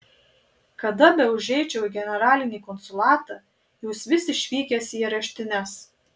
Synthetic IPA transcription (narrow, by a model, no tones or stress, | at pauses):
kɐd̪ɐbʲɛʊʒʲɛɪt͡ʃʲɛʊɡʲɛnʲɛɾɑːlʲɪnʲiːkɔnsʊlˠɑːt̪ɑ | juːsʋʲɪsʲɪʃʲʋʲiːkʲɛsʲiɾɐʃʲt̪ʲɪnʲɛs